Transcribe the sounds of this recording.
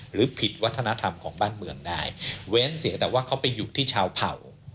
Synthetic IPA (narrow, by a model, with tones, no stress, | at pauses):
ɾɯː˩˦pʰi˨˩t̪̚wa˦˥t̪ʰːa˧na˦˥t̪ʰa˧mkʰɔː˩˦ŋbaː˥˩nmɯ˧əŋdaː˥˩jwɛː˦˥nsi˩˦ɐt̪ɛː˨˩waː˥˩kʰa˦˥wpa˧jːuː˨˩t̪ʰiː˥˩t͡ɕʰaː˧wpʰa̰˨˩w